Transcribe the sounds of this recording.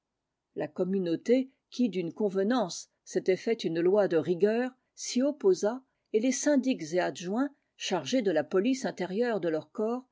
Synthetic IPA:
lakɔmynot̪e | kʲid̪ynkɔ̃vənɑ̃sː | et̪ɛfɛt̪ynlwad̪əʁiɡʲœːʁ | siɔpoza | elesɛ̃d̪ikzead̪ʒwɛ̃ | ʃaʁʒed̪əlapɔlisɛ̃t̪eʁjœʁd̪əlœʁkɔːʁ

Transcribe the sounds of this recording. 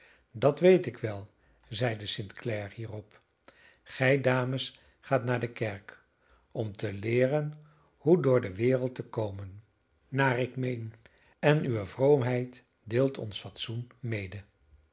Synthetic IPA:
dɑtʋejtɪkʋɛlˠ | zɛjdəsɪntklɛɹhiːrɔp | χɛjdaːməs | χaːtnaːɹdəkɛɹk | ɔmtəlɪːrən | hudʊːɹdəʋɪːɾəlˠtəkowmənː | aːrɪkmejn | ɛnyʋəvrowmɦɛjt | deːlˠtʰɔ̰nsfɑtsunmejdə

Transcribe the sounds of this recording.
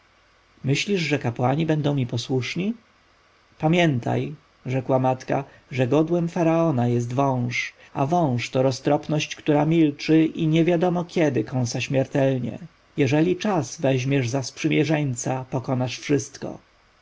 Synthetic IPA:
mɘɕlʲiʐʐɛkapwaɲibɛnd̪ɔ̃w̃mʲipɔswuʂɲi | pamʲjɛnt̪ʰa̰j | ʐɛkwamat̪ka̰ | ʐɛɡɔd̪wɛmfaɾaɔnajɛs̬t̪vɔ̃w̃ʂ | avɔ̃w̃ʂt̪ɔɾɔst̪ɾɔpnɔɕt͡ɕkt̪uɾamʲilt͡ʂɘʔiɲɛvʲjad̪ɔmɔkʲʰɛd̪ɘkɔ̃w̃saɕmʲjɛɾt̪ɛlɲɛ̰ | jɛʐɛlʲit͡ʂazvɛʑmʲjɛʐzaspʂɘmʲjɛʐɛɲt̪sapɔkɔnaʂfʂɘst̪kɔ̰

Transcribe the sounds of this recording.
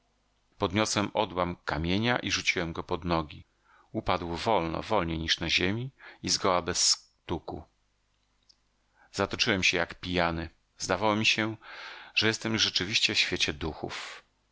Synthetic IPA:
pɔd̪ɲɔswɛmʔɔd̪wamkamʲjeɲaʔiʐut͡ɕiwɛmɡɔpɔd̪nɔɡʲi | upad̪wvɔlnɔ̰vɔlɲeɲiʂnaʑemʲiizɡɔwabɛsː | t̪ukṵ | zat̪ɔt͡ʂɘwɛmɕɛjakpʲijanɘ | zd̪avawɔmʲiɕɛʐ̥ɛjɛst̪ɛmʐɛt͡ʂɘvʲiɕt͡ɕɛfɕfʲjet͡ɕɛd̪uxṵf

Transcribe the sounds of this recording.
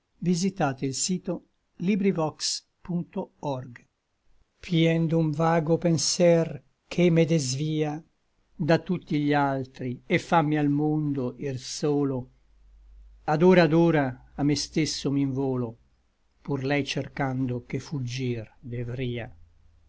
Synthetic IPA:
vizit̪aːt̪eilsiːt̪o | libɾivɔks | punt̪oɔrɡ | pʰjɛnd̪uɱvaːɡopensɛr | kʰemed̪ezviːa | d̪at̪ːut̪ːiʎalt̪ɾiefːamːialmond̪oʔirsoːlo | ad̪oːɾad̪oːɾaːmːest̪esːomiɱvoːlo | purlɛjt͡ʃerkand̪okefud͡ʒːird̪evɾiːa

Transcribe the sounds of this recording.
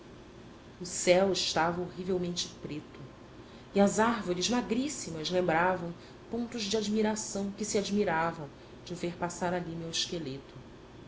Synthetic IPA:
ʊsɛwɪʃt̪avɐoɦivewmẽnt͡ʃɪ̥pɾet̪ʊ | iɐzaɾvoɾɪzmaɡɾisimɐzlẽmbɾavɐ̃w̃ | põnt̪ʊʒd͡ʒiad͡ʒmiɾasɐ̃w̃kɪsiad͡ʒmiɾavɐ̃w̃ | d͡ʒɪʊveɾpasaɾalimewɪʃkelet̪ʊ̥

